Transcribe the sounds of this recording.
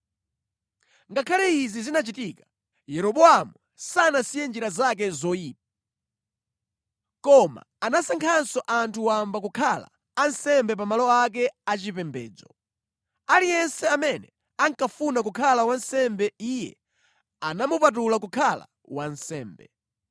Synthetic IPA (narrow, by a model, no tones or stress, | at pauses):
ŋɡakʰalɛizizinat͡ʃitiːka | jɛɾɔɓɔamu | sanasijɛnd͡ʒiɾazak̬ɛzɔiːp̚a | kɔma̰ːnasaŋkʰansɔʔantʰuwambak̬ukʰala̰ː | nsɛmbɛp̬amalɔak̬ɛat͡ʃipɛmbɛ̰ːd͡zɔ̰ | alijɛnsɛamɛnɛ | aŋkafunak̬ukʰalawansɛmbɛijɛ̰ | anamupat̬ulakukʰala̰ | wansɛ̰ːmbɛ̰